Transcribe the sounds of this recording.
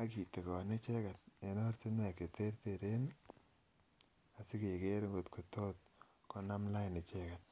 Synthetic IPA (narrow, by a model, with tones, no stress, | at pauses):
a˦ki˨te˨kɔ˨ne˦t͡ʃe˦ka˨t̚e˨no˦ɾti˦na˨ke˨te˦ɾteɾe˦n | a˨sɪ˦ke˨ke˦ɾŋɡo˨tkʰo˨to˦t̚ | kɔ˦na˦mla˦jne˨t͡ʃɛka˨t̚